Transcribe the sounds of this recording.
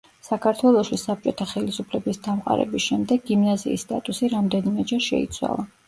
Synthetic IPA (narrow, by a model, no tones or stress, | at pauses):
sakʰaɾt̪ʰwɛlˠɔʃisap̚t͡ʃʼɔt̪ʰaχɛlisupʰlɛbisd̪amqʼa̰ɾɛ̰bisʃɛmd̪ɛɡːimnazḭːsːt̪ʼat̪ʼusiɾamd̪ɛnimɛd͡ʒɛɾʃɛ̰ḭt̪sʰwa̰lˠa